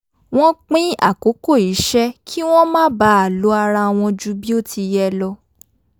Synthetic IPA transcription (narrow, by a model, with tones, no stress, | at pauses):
w̃ɔ̃˦k͡pĩ˦a̰˦˨ko˨˦ko˦˨i˨˦ʃɛ˦kʰi˦w̃ɔ̃˦mãː˦ba˨˦a˨lo˨˦a˧ɾa˧w̃ɔ̃˧d͡ʒu˦bi˦o˦˨tʰi˧jɛ˧lɔ˧